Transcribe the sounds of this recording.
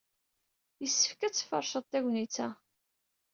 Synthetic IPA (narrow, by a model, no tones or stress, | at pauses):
jəsːə̥fkæt͡sːfɑ̰ɾˤʃəðˤt̪æʝʷnit͡sːæ